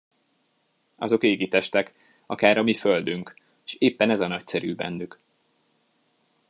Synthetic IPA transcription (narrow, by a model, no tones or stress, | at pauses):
ɒ̰zo̞keːɡit̪ɛʃt̪ɛk | ɒ̰kaːɾɒmiføld̪yŋk | ʃeːpːɛnɛzɒnɒcsɛɾyːbɛ̰nːyk